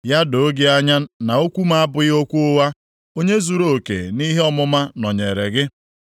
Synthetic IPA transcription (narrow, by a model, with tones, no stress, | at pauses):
ja˦do˨˦ɡe˦a˦ɲa˦na˨o˦kʷu˦ma˦a˦bʊ˨ɪ˦o˦kʷu˦ʊ˦wa˦ | o˦ɲe˦zu˨ɾo˨kḛ˨ni˦ɦe˦ɔ˦mʊ˦ma˦nɔ˨ɲe˨ɾe˨ɡɪ˦